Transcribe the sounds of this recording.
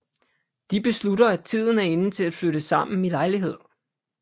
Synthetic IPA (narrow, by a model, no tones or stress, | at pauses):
d̥ib̥e̝sluɾɐæt͡sʰið̞̰ˠn̩æɐe̝nət͡sʰe̝læd̥fløɾəsɑ̈m̰n̩ilɑ̈ɪliɦe̝ð̰ˠ